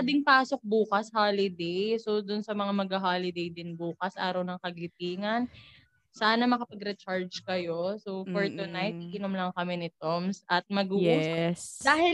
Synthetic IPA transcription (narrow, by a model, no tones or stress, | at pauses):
ɐd̪ɪŋpaːso̞k̚buːkɐshaːlɪd̪ɛjsod̪ʊnsɐmɐŋamɐɡɐɦaːlɪd̪ɛjd̪ɪnbuːkɐsʔa̰ːɾɐwnɐŋkɐɡlɪt̪iːŋɐn | saːnɐmɐkɐpɐɡɾɛt͡ʃaɹd͡ʒkɐjo̞sofoɹt̪ʊnajt̪̚ɪkɪnʊmlɐŋkɐmɛnɪt̪omsʔɐt̪̚mɐɡuːʊsd̪aːhɪ